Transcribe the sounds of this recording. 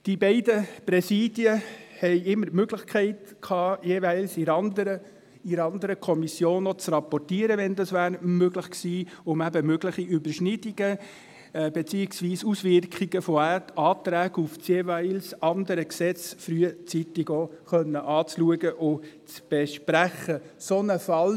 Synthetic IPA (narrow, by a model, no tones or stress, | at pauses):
d̥ibɛɪdəpɾɛsiːd̥jəhɛɪɪmːəɾtmøɡlɪχkʰɛɪtkʰɑːjeːʋæɪlsiɾɑnd̪əɾə | iɾɑnd̪əɾəkʰɔmisjoːnɔt͡srɑpɔrtiːəɾəʋɛnd̪ɑsʋæːɾmøɡləχksiːʊmæbəmøɡləχiʔybəɾʃnɪdiɡə | b̥et͡siːɪksʋiːsusʋɪɾkχiɡəfɔætɑːt̪ɾæːɡufsjeʋæɪlsɑnd̪əɾəksɛt͡sfɾyət͡sit̪ɪɡoχœnːəʔɑːt͡sluəɡəʔʊt͡sb̥eʃpɾæχːəsonəfɑl